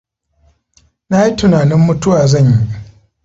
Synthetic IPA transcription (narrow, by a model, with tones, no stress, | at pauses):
na˦ji˦tʊ˨naː˨nɪ˦mːʊ˦tʊ˦waː˨zɐ˦˨ɲji˦ʔ